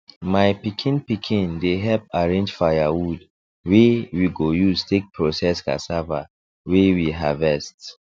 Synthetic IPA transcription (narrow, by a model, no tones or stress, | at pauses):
majpikʰĩnpikʰĩndeɦɛlp̚aɹẽnd͡ʒfajawud | wewiɡojuztʰek̚pʰɹosɛska̰sava̰ | wewiɦavɛst